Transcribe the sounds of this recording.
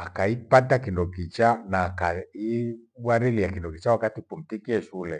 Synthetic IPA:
akaipatakindɔkit͡ʃanakaiwaɾiliakindɔkit͡ʃawakatipum̩tikiɛʃulɛ

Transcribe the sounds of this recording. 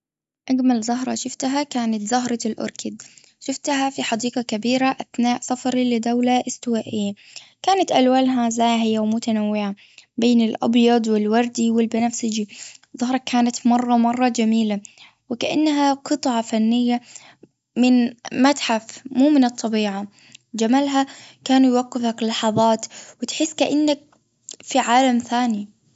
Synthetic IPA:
ʔaɡmalzɑɦɾˤɑʃʊft̪ɦakaːnat̪zɑɦɾˤɑlʔʊ̰ɾkɪd̪ | ʃʊft̪ɦafiħɑd̪iːqɑkabiːɾaʔaθnaːʔsafɑɾilɪd̪awlaʔɪst̪ɪwaːʔɪjːa | kaːnat̪ʔalwalɦazaːɦɪjawmʊt̪anawːɪʕa | beːnɪlʔɑ̰bjɑd̪ˤwɪlwɑɾˤd̪iwɪlbɪnafsɪd͡ʒiðˤɑhɾˤɑkʰːaːnat̪mɑrˤːɑmɑrˤːɑd͡ʒamiːla | wɪkaʔa̰nːɦaqɨt̪ˤʕɑfanːɪjːa | mɪnmat̪ħafmuːmɪnɨt̪ˤːɑbiːʕa | d͡ʒamalɦakaːnujwaqːɪfaklːɑħɑðˤɑːt̪wɪt̪ħɪsːkaʔanːak̚ | fiʕaːlamθaːni

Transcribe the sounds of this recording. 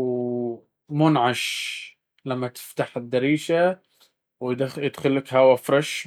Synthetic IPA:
w | mʊnʕaʃ | lamːat̪ɪ̥ft̪aħɪd̪ːɑɾiːʃa | wjɪd̪xɪlːakhawafɾˤɑʃ

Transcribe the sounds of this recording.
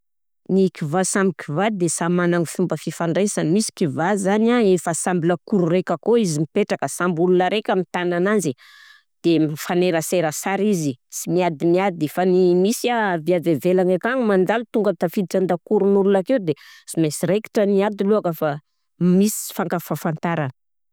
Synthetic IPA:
nikivasamikivad̪esamanaŋifumbəfifaɳɖ͡ʐesanimisi̥kivazanaefəsambiləkuɾurekəkoizimipeʈ͡ʂakəsambulunaɾekʲəmit̪anananzi | d̪̥emifaneɾəseɾəsaɾizisimiad̪iniad̪ifanimisaviavevelanakaŋimand͡zalut̪uŋɡət̪afid̪iʈ͡ʂand̪akuɾunululakewd̪esimesiɾeki̥ʈ͡ʂəniad̪iluakəfa | misi̥faŋkafafant̪aɾanə̥

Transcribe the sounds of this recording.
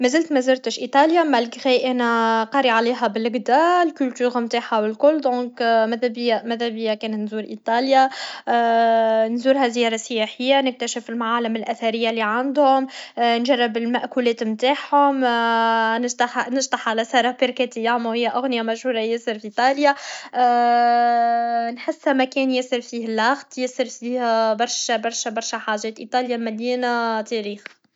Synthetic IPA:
mæzɪlt̪mæzɪɾt̪əʃʔit̪ˤɑːljamælɣɛʔænæqɑɾiʕaliːɦæbɪlɡd̪aːlkʊlt̪yːɣmt̪aːħawɪlkʊlːd̪ɔ̃ːkmæðæbɪjamæðæbɪjːakɛːnt̪nzuːɾʔit̪ˤɑːlja | nzuːɾɦæzɪjɑːɾˤɑsəjæħɪjːanɪk̚t̪æʃɪfɪlmaʕaːlɪmɪlʔæθaɾɪjːalːiʕand̪hʊmnʒɑrˤːbɪlmæʔkulɛːt̪mt̪aːħhʊm | t̪nɪʒt̪ˤɑħalæsɑːɾˤɑbɪɾkæt̪ɪjːaamːuhɪjːaʔʊɣnɪjamæʒhuːɾˤɑjæsəɾfiʔiːt̪ˤɑːlja | nħɪsːhæmækɛːnjæsəɾfiːhlːɑɣt̪ˤjɪsəɾfiːhbɑɾˤʃbɑɾˤʃæbɑɾˤʃaħaːʒɛːt̪ʔit̪ˤɑːljamæljinat̪ɛɾiːx

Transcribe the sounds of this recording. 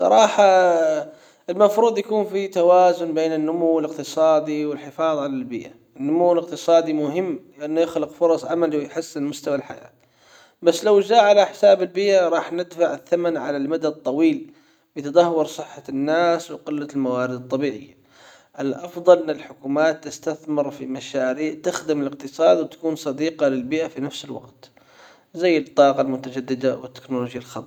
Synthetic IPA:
sˤɑ̰ɾˤɑːħɑ | ɪlmafɾuːd̪ˤjakuːnfit̪awaːzʊnbeːnɪnːʊmuwːɪlɪqt̪ɨsˤɑːd̪iwɪlħɪfɑːðˤʕalalbɪ̰ːʔaʔɪnːʊmuːwɪlɪq̚t̪ɨsˤɑːd̪imʊɦɪmːlɪʔanːjɪxlɪqfʊɾˤɑsˤʕamaliwɪjħɪsːɪnmʊst̪awalħa̰ja̰ːt̪ | basːlawd͡ʒaːʕalaħɪ̥saːbɪlbɪʔaɾˤɑːħnɪd̪faʕɪθːamanʕa̰lalmad̪ad̪̚t̪ˤːɑwiːl | bɪt̪ɑd̪ˤɑhwʊɾˤsˤɨħːanːaːswɪqɪlːalmawaːɾɪd̪ɨt̪ˤːɑbiːʕɪ̰jːa | ʔɪlʔɑfðˤɑlʔɪnːɪlħʊkuːmaːt̪ːɪst̪aθmɪɾfimaʃaːɾiːʕt̪ɪxd̪ɪmɪlɪq̚t̪ɨsˤɑːd̪wɪt̪ḁkuːnsˤɑd̪iːqɑlɪlbɪʔafinafsɪlwɑ̰qt̪ | zajːɪt̪ˤːɑːqɑlmʊt̪ad͡ʒad̪ːɪd̪awɪt̪ːɪ̥knoloːd͡ʒjalxɑt̪ˤː

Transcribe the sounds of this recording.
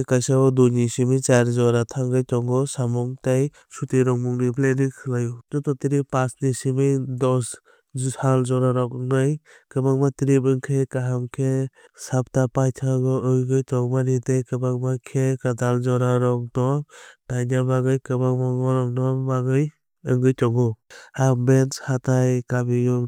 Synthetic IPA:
kajsabɔdunisimit͡ʃaɾzɔɾatʰaŋɡɯjtɔŋɡɔsamɔŋtaj | sutijɾɔŋmuŋnipʰlenikʰɯlajudɔtɔtiɾipasnisimidɔs | halzɔɾaɾɔknaj | kɯbaŋmatiɾibɯŋkʰekaɦamkʰesap̚tapajtʰaɡɔɯjɡɯjtɔŋmanitajkɯbaŋmakʰekadalzɔɾaɾɔk̚dɔtajnabaɡɯjkɯbaŋmaɡɔɾɔmnabaɡɯj | ɯŋɡɯjtɔɡɔabenshatajkabijɔ

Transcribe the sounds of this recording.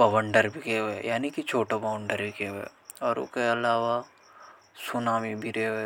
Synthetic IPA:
bɐʋə̃ɳɖəɾbʱikeejaːnikit͡ʃʰoːʈabɐʋəɳɖəɾbʱikeɛ̰ | ɔːɾʊ̰keɐlaːʋa | sʊnaːmibʱiɾee

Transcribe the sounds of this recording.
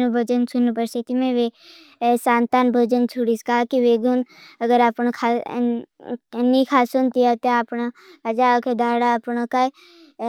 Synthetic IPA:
nubʱəd͡ʒənsunpəɾsit̪imẽʋe | saːnt̪aːnbʱəd͡ʒənt͡ʃʰuɽiskaːkiʋeɡunɐɡəɾapnkʰa̰ | nːikʰaːsunt̪ijat̪apɳaɐd͡ʒakʰed̪aːɽaəpɳaka

